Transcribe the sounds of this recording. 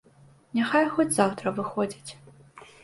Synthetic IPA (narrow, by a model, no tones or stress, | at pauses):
nʲaxajxɔt͡sʲzawt̪ɾɐvɨxɔd͡zʲit͡sʲ